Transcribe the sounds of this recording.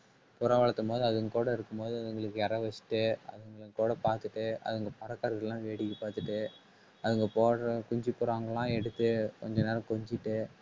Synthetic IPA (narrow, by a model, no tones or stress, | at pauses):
pʊɾɐ̃ʋɐɭɐt̪ːɯmpoːðɯɐðɯŋkuːɽɐɪɾɯkːɯmpoːðɯɐðɯŋɡɐɭɯkːɯɛɾɐʋɐt͡ʃːɪ̥ʈːɯɐ̰ðɯŋɡɐɭɯkuːɽɐpaːɾt̪ɯʈːɯʔɐ̰ðɯŋɡɐpɐɾɐkːɐɾɐðɪlãːʋeːɽɪkːɯpaːɾt̪ɯʈːɯ | ɐðɯŋɡɐpoːɐkʊɲd͡ʒipːʊːɾaːŋɡɐlãːɛɽɯt̪ːɯkɔɲd͡ʒɐneːɾɐkɔɲd͡ʒɪʈːɯ